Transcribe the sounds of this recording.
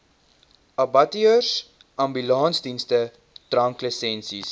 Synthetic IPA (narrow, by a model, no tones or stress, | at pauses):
ɐbɐtiəs | ɐmbylɐːnsdinstə | trɐŋkləsɛnsis